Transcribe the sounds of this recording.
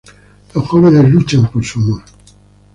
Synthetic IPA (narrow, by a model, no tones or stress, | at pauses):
losxoβenezlut͡ʃampoɾsumoɾ